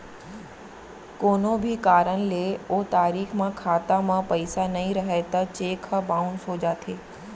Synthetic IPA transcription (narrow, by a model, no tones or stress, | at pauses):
koːnobʱikaːɾənleoːt̪aːɾiːxʰmãkʰaːt̪amãpɐɪsanɐĩɾɐɦet̪ɐt͡ɕeːkʰəbaːʊnsoːd͡ʑat̪ʰeː